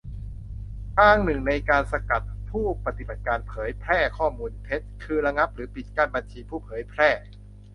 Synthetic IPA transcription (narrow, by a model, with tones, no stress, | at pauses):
kaː˧˥˩ŋnɯ˨˩ŋna˧jkaː˧nsa˧ka˨˩t̪̚pʰuː˥˩pa˧t̪i˨˩ba˨˩t̪̚kaː˧npʰɤː˩˦jpʰɾɛː˥˩kʰɔː˥˩muː˧npʰe˦˥t̪̚kʰɯː˧ɾa˧ŋa˦˥p̚ɾɯː˩˦pi˨˩t̪̚kaː˧˩nba˧nt͡ɕʰiː˧pʰuː˥˩pʰɤː˩˦jpʰɾɛː˥˩